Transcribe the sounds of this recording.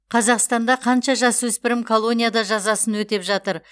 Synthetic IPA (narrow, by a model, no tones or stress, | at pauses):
qʰɑzɑqst̪ɑnd̪ɑqʰɑnʃɑʒɑswɵspɪɾɪmkʰo̞lˠo̞nʲijad̪ɑʒɑzɑsənwɵt̪e̞pʒɑt̪əɾ